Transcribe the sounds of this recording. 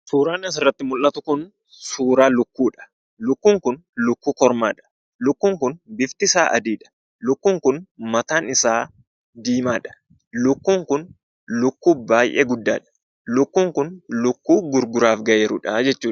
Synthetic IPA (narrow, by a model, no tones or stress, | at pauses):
suːɾaːnɐs̬ɪrːɐt̪ːɪmʊlʔɐt̪ʊkʊn | suːɾaːlʊkːuːᶑɐ̥ | lʊkːuːŋkʊnlʊkːuːkɔɾmaːᶑɐ̥ | lʊkːuːŋkʊnbɪft̪ɪsaːʔɐ̰d̪iːᶑɐ̥ | lʊkːuːŋkʊnmɐt̪aːnɪsaː | d̪iːmaːᶑɐ̥ | lʊkːuːŋkʊn | lʊkːuːbaːjʔɛɡʊd̪ːa̰ːᶑɐ̥ | lʊkːuːŋkʊnlʊkːuːɡʊɾɡʊɾaːfɡɐjeːɾʊᶑɐd͡ʒɛt͡ʃːuː